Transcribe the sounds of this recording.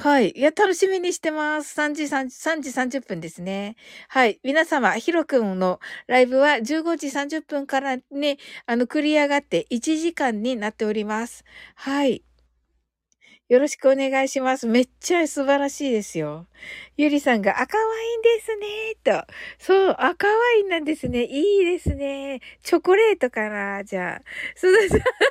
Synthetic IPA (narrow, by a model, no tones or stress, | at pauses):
haijat̪ano̞ɕimʲiɲ̟iɕi̥t̪e̞masɨ̥sãɲ̟d͡ʑisãɲsãɲ̟d͡ʑisãɲ̟d͡ʑɨpːɯ̟̃nd̪e̞sɨne̞haimʲinasamaçiɾo̞kɯ̟̃no̞ɾaibɯ̟βad͡ʑɨːɡo̞d͡ʑisãɲ̟d͡ʑɨpːɯ̟̃ŋkaɾaniano̞kɯ̟ɾʲiaɡat̪ːe̞ʔit͡ɕiʑikãɲ̟ːinat̪ːe̞o̞ɾʲimasɨ̥hai | jo̞ɾo̞ɕi̥kɯ̟o̞ne̞ɡaiɕimasɨme̞t͡ɕasɨbaɾaɕiːd̪e̞sɨjo̞jɯ̟ɾʲisãŋɡaʔakaβaind̪e̞sɨne̞t̪osoːʔakaβainãnd̪e̞sɨne̞ʔiːd̪e̞sɨne̞t͡ɕo̞koɾe̞ːt̪o̞kaɾad͡ʑa̰ːsoːd̪es